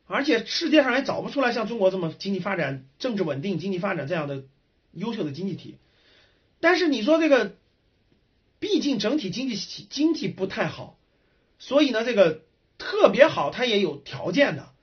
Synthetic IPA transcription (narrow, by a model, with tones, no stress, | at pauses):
ə˞˧˥t͡ɕʰjɛ˨˩ʂɻ̩˥˧t͡ɕjɛ˥˧ʂɑ˥˩ŋla˧˥ɪt͡sɑ˨˩ʊpu˥ʈ͡ʂʰu˥la˧˥ɪɕjɑ˥˩ŋʈ͡ʂʊ˥ŋkwɔ˧˥ʈ͡ʂɤ˥˩mə˩t͡ɕi˥ŋt͡ɕi˥˩fa˥ʈ͡ʂa˨˩˦nʈ͡ʂɤ˥˧ŋʈ͡ʂɻ̩˥˩wə˨˩nt̪i˥˩ŋt͡ɕi˥ŋt͡ɕi˥˩fa˥ʈ͡ʂa˨˩nʈ͡ʂɤ˥˧jɑ˥˩d̪ə˩ | jo˥ʊɕjo˥˩ʊd̪ə˩t͡ɕi˥ŋt͡ɕi˥˩t̪ʰḭ˨˩˦ | t̪a˥˧nʂ̬ɻ̩˥˩ni˨˩ʂ̬wɔ˥ʈ͡ʂɤ˥˩ɡə˩ | pi˥˧t͡ɕi˥˩ŋʈ͡ʂɤ˧˥ŋt̪ʰi˨˩t͡ɕi˥ŋt͡ɕi˥˩ɕt͡ɕi˥ŋt͡ɕi˥˧pu˧˥t̪ʰa˥˩ɪxɑ̰˨˩˦ʊ | swɔ˧˥i˨˩nə˧˦ʈ͡ʂɤ˥˩ɡə˩ | t̪ʰɤ˥˩pjɛ˧˥xɑ˨˩˦ʊt̪ʰa˥jɛ˧˥jo˨˩ʊt̪ʰjɑ̰˧˥ʊt͡ɕjɛ˥˩nd̪ə̰˩